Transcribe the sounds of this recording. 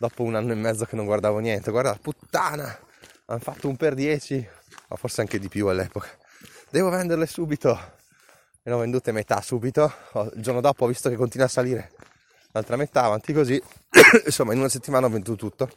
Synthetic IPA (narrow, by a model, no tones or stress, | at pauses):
d̪ɔpounanːoemːɛd̪zokenːoŋɡward̪aːvonjɛnt̪eɡward̪alaput̪ːaːna | anfat̪ːoumperd̪jɛːt͡ʃi | ma̰forseaŋked̪ipjualːɛ̰ːpokḁ | d̪ɛːvovɛnd̪erlesuːbit̪o | enɔvend̪uːt̪emet̪a̰suːbit̪oɔḭld͡ʒornod̪ɔːpoɔvːist̪okekːont̪inwasːaliːɾe | nalt̪ɾamet̪aːvant̪ikozi | nsomːainunaset̪ːimaːnaɔvend̪uːt̪ot̪ut̪ːo